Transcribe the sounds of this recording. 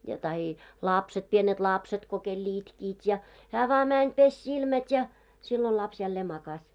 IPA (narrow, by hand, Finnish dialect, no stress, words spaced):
jɑ tɑhi lɑˑpset pienet lɑpset ko kelː itkiːt jɑ hæː ʋɑː mænʲ pesʲ silmætʲ jɑ silːo lɑps jælːeː mɑkɑs